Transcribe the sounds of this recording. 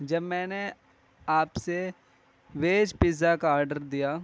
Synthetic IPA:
d͡ʒɐbmɛ̃ːne | aːpse | ʋeːd͡ʒpɪzakaaːɾɖəɾd̪ijaː

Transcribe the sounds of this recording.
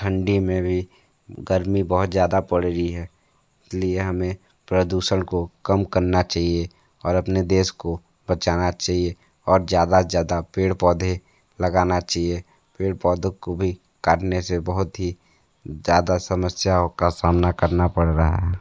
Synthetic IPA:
ʈʰə̃ɳɖimẽbʱi | ɡəɾmibɐɦʊt̪zjaːd̪apɐɽɾəiɦɛː | ɪslieɦɐmẽ | pɾəd̪uːʃəɽ̃kokəmkəɾnat͡ʃaːɦie | ɔːɾɐpned̪eːsko | bət͡ʃaːnat͡ʃaːɦie | ɔːɾzjaːd̪azjaːd̪apeːɽpɔːd̪ʱe | lɐɡaːnat͡ʃaːɦie | peːɽpɔːd̪ʱõkobʱi | kaːʈnesebəɦʊt̪ɦi | zjaːd̪asəməsjakasaːmnakəɾnapəɽɾɐɦa̰ɦɛː

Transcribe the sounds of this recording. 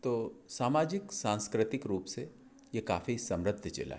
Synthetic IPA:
t̪oːsaːmaːd͡ʒɪksãːnskɾɪt̪ɪkɾuːpse | jeka̰ːfisɐ̃mɾəd̪ʱt͡ʃḛla̰ɦ

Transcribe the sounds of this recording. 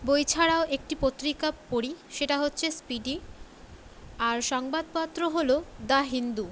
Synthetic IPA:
bojt͡ɕʰaɽaoʔek̚ʈipot̪ːɾikapoɽiʃeʈaɦotːɕʰespiɖi | aɾʃɔŋbad̪̚pat̪ːɾoɦolod̪aɦind̪u

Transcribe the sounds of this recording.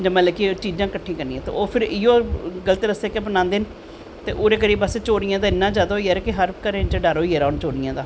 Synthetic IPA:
d͡ʒəmɛ̃ːlɛːkit͡ʃiːd͡ʒãːkəʈʰːĩːkəɾnĩːɛ̃ːt̪ḛoːpʰɪɾɪjõːɡələt̪eːd̪əseːkebənãːnd̪eːn | t̪ḛːʔoːɾeːkəɾiːbəset͡ʃoːɾɪjãːd̪aːɪnːãːd͡ʒaːd̪aɦoiːɛːɾɛːkɪɦəɾkəɾẽt͡ʃɖaːɾɦoːiːɛːɾaːʊnt͡ʃoːɽɪjãːd̪aː

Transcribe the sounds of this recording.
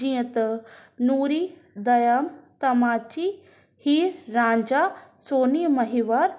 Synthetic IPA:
ijə̃t̪nuːɾid̪ɐjɐmt̪ɐmaːt͡ʃi | hiːɾːãːɲd͡ʒasoːnijmɐɦiʋaɾ

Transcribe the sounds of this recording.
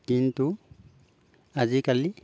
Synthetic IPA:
kint̪u | azikali

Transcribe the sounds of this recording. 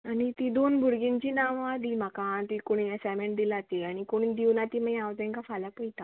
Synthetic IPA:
añit̪id̪onbʱuɾɡĩɲt͡ɕiːnaʋad̪iːm̤akat̪ikoɽ̃iasameɳʈ̚d̪ilat̪eaɽ̃ikoɽ̃id̪iʋnat̪iməɡãʋd͡zɛ̃ŋkafalapəjt̪a

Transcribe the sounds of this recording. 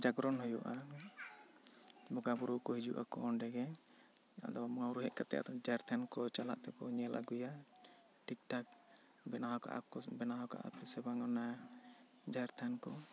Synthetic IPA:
d͡ʒaɡɾɔnɦɔjɔʔa | bɔɡabuɾuʔkɔɦid͡ʒuʔa̰kɔːnɖɛɡɛ | a̰d̪ɔbamɔŋawɾuɦɛʔ̚kat̪ɛ̰ja̰d̪ɔd͡ʒaɛɾt̪ʰankɔt͡ʃala̰ʔt̪ɛkɔɲɛlʔa̰ɡuja | ʈik̚ʈak̚ | bɛnaɦɔka̰ʔɔbɛnaɦɔka̰ʔa̰p̪ɛsɛbaŋɔna | d͡ʒaɛɾt̪ʰankɔ

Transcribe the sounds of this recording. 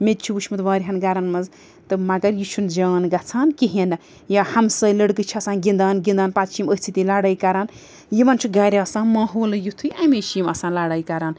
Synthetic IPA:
met̪̚t͡ʃʰuuʃʰmɐt̪ʋaːɾʲiɦɐnɡaɾɐnmɐz | t̪ɨmɐɡɐɾjit͡ʃʰund͡ʒaːnɡɐt͡sʰaːnkiɦinɐ | jahɐmsɐlɐɽkɨt͡ʃʰiɐsãːnɡind̪aːnɡʲind̪aːnpat̪t͡ʃʰimət͡sʰit̪ilaːɽɐːjkaɾaːn | jimɐnt͡ʃʰuɡaɾʲiɐsãːnmãːɦoːlɨjut̪ʰujameʃimɐsãːnlaɽaːjkaɾaːn

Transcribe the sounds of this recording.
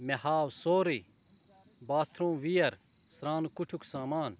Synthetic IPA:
mɛhaːwsoːɾi | baːt̪ʰɾõːʋijɐɾ | sɾãːnkʊʈʰuksaːmaːn

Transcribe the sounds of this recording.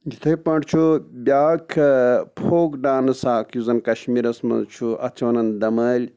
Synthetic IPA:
d͡ʒit̪ʰɐpɐɳɖt͡ʃʰubʲaːkʰpʰoːkɖaːnɨsaːkʰjuzɐnkɐʃmiːɾɐsmɐ̰zt͡ʃʰuʔɐ̰t͡sʰʋɐnɐnd̪ɐmɐːlʲ

